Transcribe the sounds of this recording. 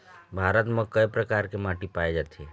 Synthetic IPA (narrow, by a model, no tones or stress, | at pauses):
bʱaɾət̪məkəepɾəkaɾkemaʈipaed͡ʒat̪ʰe